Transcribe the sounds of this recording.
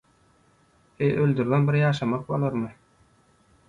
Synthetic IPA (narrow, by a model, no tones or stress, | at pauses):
ejʔølʲd̪yɾðenbiɾjɑːʃɑmɑq̚bolˠɑɾmɯ